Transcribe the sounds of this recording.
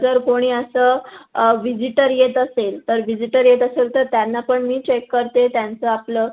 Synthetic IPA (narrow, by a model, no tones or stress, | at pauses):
d͡zəɾkoɽ̃iːəsəːʋid͡ʑiʈəɾjet̪əselt̪əɾʋid͡ʑiʈəɾjet̪əselt̪əɾt̪janːapəɳmiːt͡ɕekːəɾt̪et̪jant͡səapləː